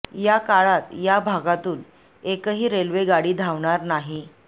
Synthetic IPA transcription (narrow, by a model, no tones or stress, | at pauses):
jakaɭat̪jabʱaɡat̪uːl | ekəɦiːɾelʋeɡaɽiːd̪ʱaʋɳaɾnaɦi